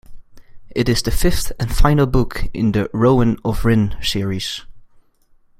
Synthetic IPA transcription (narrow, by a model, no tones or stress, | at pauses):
ʔɨɾɨzðɨfɪfθɨ̃nfãɪ̃nəl̩ˠbʊkʰɪ̰̃nðɨɹoʊmə̃nəvɹɪ̃nsɪɹiz̥